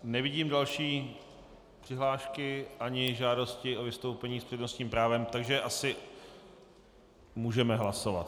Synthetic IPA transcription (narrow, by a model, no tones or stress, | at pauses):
nɛvɪɟiːmdalʃiː | pr̝̥ɪɦlaːʃkɪʔaɲɪʒaːdo̞scɪʔovɪst̪owpɛɲiːspr̥ɛdno̞st̪ɲiːmpɾaːvɛmt̪aɡʒɛʔasɪ | muːʒɛmɛɦlaso̞va̰t̪